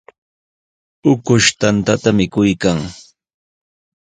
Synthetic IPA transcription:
ʊkʊʃt̪ant̪at̪amɪkʊjkaŋ

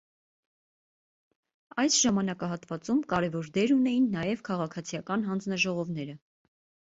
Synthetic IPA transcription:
ɑjsʒɑmɑnɑkɑɦɑt̪vɑt͡sumkɑɾɛvɔɾd̪ɛɾunɛjinːɑjɛvkʰɑʁɑkʰɑt͡sʰijɑkɑnɦɑnd͡znɑʒɔʁɔvn̪ɛɾə

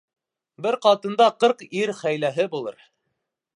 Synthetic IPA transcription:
bɘɾqɑt̪ɤ̆nd̪ɑqɤɾqiɾχæjlæɦɘbulˠɤ̰ɾ

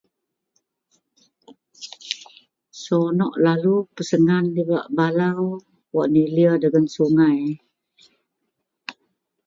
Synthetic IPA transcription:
sonɔʔlalupəsəŋandibaʔbalaw | waʔniliədəɡansuŋaj

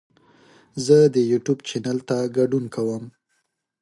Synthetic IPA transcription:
zəd̪əjuʈjubt͡ʃanalt̪aɡaɖunkawəm

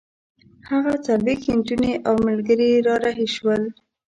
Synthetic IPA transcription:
haɣat͡salwexhɪɳʈuneʔawmalɡəɾeɾɑɾaɦeʃwəl

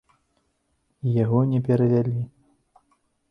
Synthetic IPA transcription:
ijaɣɔnʲɛpʲɛɾɐvʲalʲi

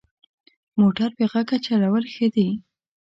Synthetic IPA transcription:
moʈaɾbeɣakat͡ʃalawəlxəd̪i

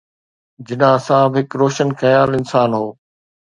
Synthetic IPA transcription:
d͡ʑɪnãːsãːbɦɪkɾoːʃənxɐjaːlɪnsaːnɦoː

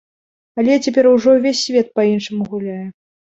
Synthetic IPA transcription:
alʲɛt͡sʲapʲɛɾuwʐɔvʲesʲːvʲɛt̪̚pɐinʂɨmuɣulʲajɛ

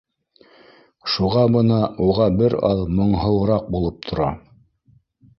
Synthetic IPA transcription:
ʃuʁɑbɤ̆nɑuʁɑbɘɾɑ̰ðmŏɴɦɤ̆wˠɾɑq̚bulˠɤp̚t̪ʰŏɾɑ

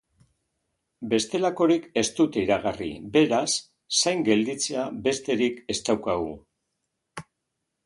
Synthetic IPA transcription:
be̞st̪e̞lako̞ɾike̞st̪ut̪eiɾaɣ̞arḭbe̞ɾasː | ajŋɡe̞ld̪it͡se̞abe̞st̪e̞ɾike̞st̪awkaɣṵ

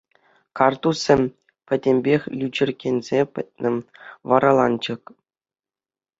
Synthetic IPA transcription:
kɑrt̪usʲɘ̆mʲ | pʲɘ̆dʲemʲbʲexʲlʲyd͡ʑɘ̆rʲɡʲenʲzʲepʲɘ̰̆t̚ʲnʲɘ̆ʋɑɾɑlˠɑnd͡ʑɤ̆k

